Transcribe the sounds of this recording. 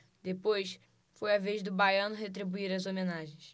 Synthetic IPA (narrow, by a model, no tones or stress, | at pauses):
d̪epojs | fojɐveʒd̪ʊbajɐ̃nʊɦet̪̬ɾibuiɾɐzomẽnaʒẽj̃s